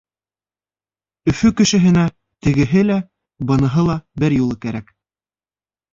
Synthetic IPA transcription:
ɵ̆fɵkɘ̆ʃɘ̆ɦɘ̆næ | t̪ɘ̆ɡɘ̆ɦɘlæ | bɤ̆nɤ̆ɦɤlˠɑbɘɾjulˠɤkæɾæk

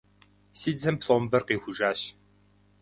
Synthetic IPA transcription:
siːd͡zɐmpɬombɐrqiːxʷʊʒaːɕ

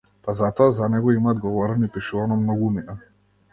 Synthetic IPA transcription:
pazat̪ɔazanɛɡɔimad̪̚ɡɔvɔɾɛnipiʃuvanɔmnɔɡumina

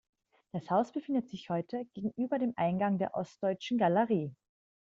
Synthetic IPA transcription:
d̥ashaʊsb̥əfɪndətz̥ɪçhɔʏtʰəɡ̥eːɡŋ̩ʔyːbɐdeːmʔa̰ɪnɡaŋdeːɐʔɔst̚d̥ɔʏt͡ʃn̩ɡaləʁiː

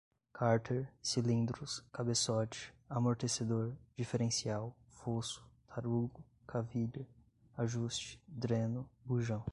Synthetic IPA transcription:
kʰaɾt̪ʰeɾsilĩnd̪ɾʊskabesɔt͡ʃɪ̥amoɾt̪esed̪oɾd͡ʒifeɾẽsiawfosʊ̥t̪ʰaɾuɡʊ | kʰaviʎɐ | aʒust͡ʃɪ̥d̪ɾẽnʊbuʒɐ̃w̃

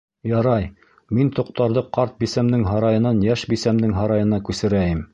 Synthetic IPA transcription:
jɑɾɑj | mint̪ŏq̚t̪ɑɾðɤqɑɾt̪̚bisæmd̪ɘŋɦɑɾɑjɤ̆nɑnjæʃbisæmd̪ɘŋɦɑɾɑjɤ̆nɑkʉsɘ̆ɾæjɘm

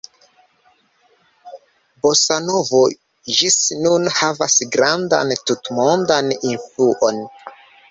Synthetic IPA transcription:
bosano̞vo | d͡ʒisnunhavasɡɾanda̰ntutmondaninfluʔon

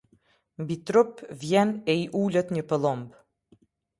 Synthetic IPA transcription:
mbit̪ɾɔpvjɛnɛiʔuːlʲət̪ɲəpəlˠɔmb

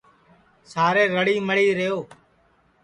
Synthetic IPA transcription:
saːɾeːɾəɽiːməɽiːɾəjoː

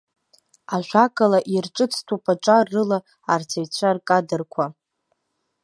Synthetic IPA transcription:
aʒᶣʷakʼalaʔirʈ͡ʂʼɨt͡sʰtʰupʰʼaʈ͡ʂʼarːɨla | art͡sʰajt͡ɕʷʰarkʼadɨrkʷʰa

